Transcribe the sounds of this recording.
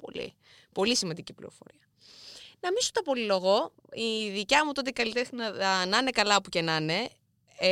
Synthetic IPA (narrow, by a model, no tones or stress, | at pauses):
po̰lḭ | po̞lisimɐnd̪icipliɾofo̞̰ɾiɐ | nɐmisot̪ɐpo̞lilo̞ɣo̞ | iðicɐmut̪ot̪eikɐlit̪exnɐnɐne̞kɐlɐɐpuce̞nɐne̞